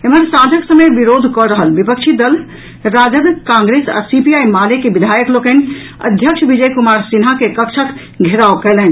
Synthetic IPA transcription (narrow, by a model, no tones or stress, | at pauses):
eməɾsãd͡ʒ̪ʱəksəmebiɾod̪ʱkɔɾəɦəlbipəkt͡ʃʰid̪əl | ɾad͡ʒəd̪kãŋɡɾesa̰sipiajmalekebid̪ʱajəklokən | ə̰d̪ʱjəkt͡ʃʰbid͡ʒəjkumaɾsinɦakekəkt͡ʃʰək | ɡʱeɾaokɛlɛn